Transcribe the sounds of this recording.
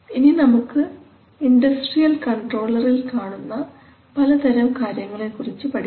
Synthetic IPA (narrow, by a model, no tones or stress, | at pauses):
ininɐmukːɨ | iɳɖɐsʈrijɐlkɐɳʈro̞ːɭɐrilkaːɳunːɐ | pɐlɐt̪ɐɾɐmkaːɾjɐŋːɐɭekːurit͡ɕːɨpɐɽi